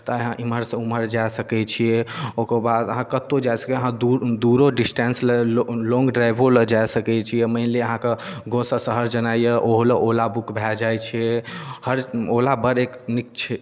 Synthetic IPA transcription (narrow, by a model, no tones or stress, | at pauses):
t̪ɔeɦãʔiməɾsə̃uməɾd͡ʒajsəkɛt͡ʃʰijeokəbad̪əɦãkət̪od͡ʒajsə̥keəɦãd̪ud̪uɾoɖisʈensllɔ̃ŋɡɖɾajbʱoləd͡ʒajsəkɛt͡ʃʰijeməɪnleəɦãkeɡosəsəɦəɾd͡ʒənaijeʔoɦoləʔolabukbʱɛld͡ʒajt͡ʃʰijehəɾolabəɾeknik̚t͡ʃʰɛ